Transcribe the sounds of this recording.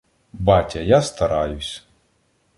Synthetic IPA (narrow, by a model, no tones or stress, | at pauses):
bɑtʲɐjast̪ɐɾɑjʊsʲ